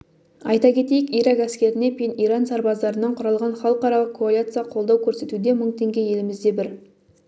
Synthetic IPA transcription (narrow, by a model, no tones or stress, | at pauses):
ɑjt̪ɑkʲʰe̞t̪e̞jɪkijɾɑkæskʲeɾɪne̞pʰʲeniɾɑnsɑɾbɑzd̪ɑɾənɑɴqʰʊɾɑlˠʁɑnχɑlˠəqɑɾɑlˠəqkʰoalit̪sɨjɑqʰo̞lˠd̪ɑwkʲʰɵɾse̞t̪ud̪e̞mʊɴt̪ʰe̞ŋɡʲeje̞lɪmɪzd̪e̞bɪɾ